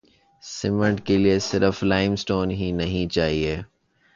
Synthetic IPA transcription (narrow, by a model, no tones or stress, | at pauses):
sɪməɳʈkeliesɪɾəflaːɪmsʈoːnɦinɐɦĩt͡ʃaːɦieː